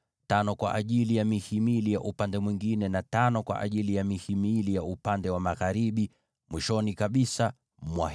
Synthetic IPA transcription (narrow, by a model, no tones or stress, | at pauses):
tanɔkwa̰ʔaʄilijamihimilijaʔupandɛmwiŋɡinɛnatanɔkwa̰ʔa̰ʄilijamihimilijaupandɛwamaɣaɾiɓi | mwiʃɔnikaɓisa | mwa̰